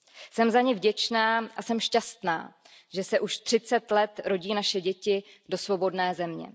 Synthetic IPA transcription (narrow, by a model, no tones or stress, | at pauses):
sɛmzaɲɪvɟɛt͡ʃnaːʔasɛmʃcast̪na̰ː | ʒɛsɛʔuʃt̪r̥ɪt͡sɛt̪lɛt̪ɾo̞ɟiːnaʃɛɟɛcɪdo̞svo̞bo̞dnɛːzɛmɲɛ̰